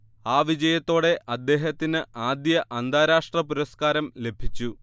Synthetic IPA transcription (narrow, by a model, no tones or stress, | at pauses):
aːʋid͡ʑɐjɐt̪ːo̞ːɽe̞ʔɐd̪ːe̞ːɦɐt̪ːinɨʔaːd̪jɐʔɐnd̪ʱaːɾaːʂʈrɐpuɾɐskaːɾɐmle̞bʱit͡ɕːu